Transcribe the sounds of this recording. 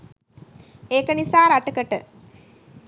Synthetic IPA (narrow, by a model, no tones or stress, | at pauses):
eːkɐɳisaːɾɐʈːɨkɐʈːɨ